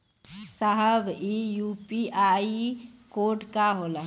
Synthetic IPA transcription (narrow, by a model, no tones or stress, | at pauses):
saɦəbijuːpiaːikoːʈkaɦoːla